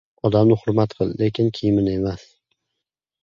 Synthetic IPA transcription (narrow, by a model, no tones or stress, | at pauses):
ɒd̪amnɪhʊɾmat̪qʰɨlˠle̞kʲʰɪnkʲʰijɪmɪne̞mas